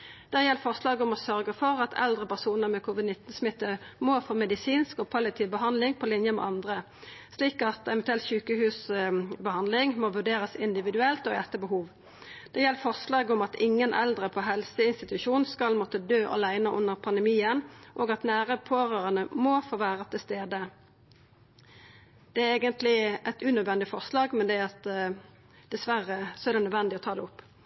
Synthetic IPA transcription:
d̪̥æːʁjɛlːfɔʁslɑːɡəʊmɔsœʁɡəfɔʁɑt̪ʰɛ̰ld̪ʁəpæʁsuːnəʁmɛkʰuːʋɪd̪nɪt̪n̩smɪt̪ːəmɔfoːmɛd̪ɪsiːnskɔːpʰɑlɪt̪ʰɪːʋbəɦɑnd̪lɪŋpʰɔlɪnjəmɛ̰ʔɑnd̪ʁə | sliːkɑt̪ɛʋɛnt̪ʉɛlt̪ɕʉːkəhʉːsbəhɑnd̪lɪŋmɔʋʉʁɖeːɾəsɪnd̪ɪʋɪd̪ʉɛlt̪ɔɛt̪ːəbəhuːʋ | d̪̥ɛjɛlːəfɔʁslɑːɡəʊmɑt̪ɪŋːənʔɛ̰ld̪ʁəpʰɔɦɛlsəɪnst̪ɪt̪ʉʃuːnskɑlmɔt̪əd̪øːʔɑ̰læɪnəʔʊnːəʁpʰɑnd̪ɛmiːənʔoːɡɑt̪næːʁəpʰoːʁøːʁənəmɔfoːʋæːʁət̪ʰɪlst̪eːd̪ə | d̪̥ɛæɾeːɡənt̪lɪɛɪt̪ʉnœd̪ʋɛnd̪ɪfɔʁslɑːɡmɛnd̪ɛɑt̪ | d̪̥ɛsʋæʁəsɔæʁd̪ɛnœd̪ʋɛnd̪ɪɔt̪ʰɑːd̪ɛʊpː

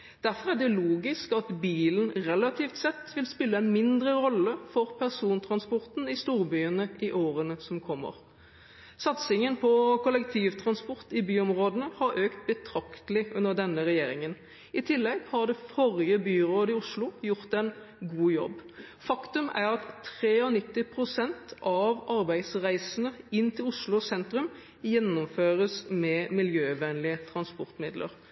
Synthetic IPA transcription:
d̪̥æɾfɔʁæɖ̪ɛluːɡɪskɑt̪biːlənʁɛlɑt̪ʰiːft̪sɛt̪ːʋɪlspɪlːəɛnmɪnd̪ɾəɾɔlːəfɔʁpʰæʁsuːnt̪ʰʁɑnspɔɾt̪nɪst̪uːʁbyːənəʔɪʔoːɾənəsɔmkʰɔmːə̰ʁ | sɑt̪sɪŋənpʰɔkʰʊlːɛkt̪ʰiːʋt̪ʰɾɑnspɔʁt̪ɪbyːɔmʁoːd̪ənəhɑɾøːkt̪̚bət̪ʰɾɑkt̪əlɪʔʉnəʁd̪ɛnːəʁɛjeːɾɪŋən | ɪt̪ʰɪlːɛɡhɑʁd̪ɛfɔɾjəbyːɾoːd̪ɪʊʂlʊjʊʁt̪ɛn | ɡuːjɔ̰b | fɑkt̪ʉmæɾɑt̪ʰːʁeːɔnɪt̪ːɪpʰɾʊsɛnt̪ʔɑʋɑɾbæɪd̪sʁæɪsənəɪnːt̪ʰɪlʊʂlʊsɛnt̪ɾʉm | jɛnːɔmføːʁəsmɛmɪljøːʋɛnlɪət̪ʰɾɑnspɔʁt̪mɪd̪lʔə̰ɾ

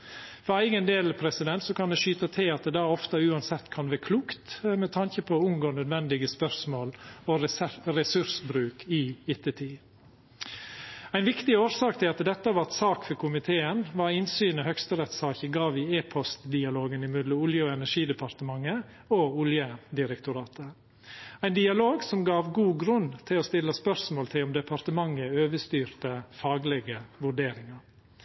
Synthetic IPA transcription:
fɔɾæɪɡənd̪eːlpʰɾɛsɪd̪ɛnt̪sɔkʰɑnd̪ɛʃyːt̪ɑt̪ʰɪlɑt̪̚d̪ɛːd̪ɑːɔft̪əʉːɑnsɛt̪ːkʰɑnʋæɾkʰluːkt̪mɛt̪ʰɑnçəpʰɔʊmɡoːnœd̪ʋɛnd̪ɪɡəspœɾsmoːlɔɾɛsʉɾsbɾʉːkʰɪɪt̪ʰɛt̪ʰiː | æɪnʋɪkt̪ɪoːɾsɑːkt̪ʰɪlɑt̪d̪ɛt̪ːəʋɑt̪sɑːkfɔɾkʰʊmɪt̪ʰeːənʋɑɾɪnsyːnɔhœkst̪əɾɛt̪sɑːçəɡɑːʋɪeːpʰɔst̪d̪ɪɑloːɡənɪmʏd̪ləʊljəɔɛnæʂiːd̪ɛpʰɑɾt̪əmɑŋːə | oʊljəd̪ɪɾɛkt̪ʊɾɑːt̪ʰə | æɪnd̪ɪɑloːɡsɔmɡɑːʋɡuːɡɾʉnt̪ʰɪloːst̪ɪlːəspœɾsmoːlt̪ʰɪlɔmd̪ɛpʰɑɾt̪əmɑŋːəøːʋəst̪yːɾt̪əfɑːɡlɛɡəʋʉɖeːɾɪŋɑɾ

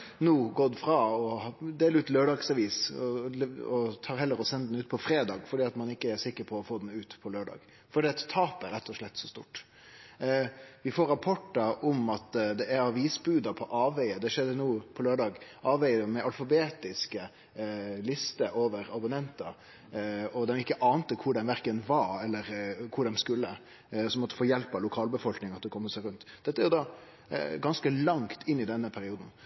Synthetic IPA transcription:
nuːɡoːd̪əfɾɑɔd̪eːlɾʉːt̪løːɖɑːɡsɑʋiːsɔɔt̪ʰɑːɾɦɛlːəɾɔsɛnːəd̪nʉːt̪pʰɔfɾeːd̪ɑːɡfɔɖiːɑt̪mɑnɪkːəæsɪkːəɾpʰɔɔfoːd̪n̩ʉːt̪pʰɔløːɖɑ̰ːɡ̥ | fɔɖ̪iɛt̪t̪ʰːɑːpæɾɛt̪ʰːɔʂɭɛt̪ːsɔst̪ṵːʈ | ʋɪfoːɾɑpʰɔʈːəɾɔmɑt̪d̪ɛæɾɑʋiːsbʉːd̪ɑpʰɔʔɑːʋæɪəd̪ɛʂɛd̪ːənuːpʰɔløːɖɑːɡʔɑːʋæɪəmɛʔɑlfɑbeːt̪ɪskə | lɪst̪əʔoːʋəɾɑbʊnɛnt̪ɑ | ɔd̪ɛmɪkːəʔɑːnt̪əkʰʊɖɛnʋæɾkənʋɑɾɛlːəɾkʰʊɖɛmskʉlːə | sɔmɔt̪ːə̥foːjɛlpɑlʊkʰɑːlbəfɔlknɪŋɑt̪̚d̪ɛkʰɔmːəsæɪɾʉnt̪ːd̪ɛt̪ːəæɾjʊd̪ɑ | ɡɑnskəlɑŋt̪ʰɪnːɪd̪ɛnːəpʰæɾɪuːd̪n̩

